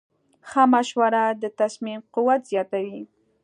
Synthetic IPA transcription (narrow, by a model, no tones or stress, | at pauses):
xamaʃwaɾad̪ət̪asmimquwat̪z̥jɑt̪awi